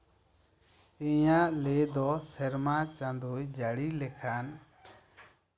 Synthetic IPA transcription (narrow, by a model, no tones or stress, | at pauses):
iɲaʔled̪ɔsɛɾmat͡ʃãnd̪ujd͡ʒaɽilɛkʰan